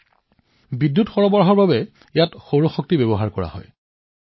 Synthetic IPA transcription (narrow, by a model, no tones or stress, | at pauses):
bidːutxɔɹɔbɔɹɦɔɹbabɛ | jatxowɹɔxɔk̚tibebɔɦaɹkɔɹa̰ɦɔ̰j